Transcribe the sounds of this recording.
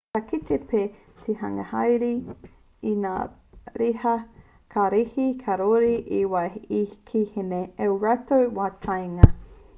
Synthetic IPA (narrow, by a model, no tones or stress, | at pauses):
kɐkit̪epʰeː | t̪ʰehɐ̰ŋɐ̰hɐjɾi | ina̰ː | ɾihɐ | kʰaɾihikʰaɾoɾiʔiwaikʰihineewɾatowwatʰajŋɐ